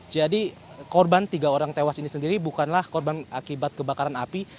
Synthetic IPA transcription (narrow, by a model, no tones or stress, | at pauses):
d͡ʒadi | kɔrbant̪iɡaoɾaŋt̪ewasinisəndiɾibukanlahkɔrbanakibat̪̚kəbakaɾanapi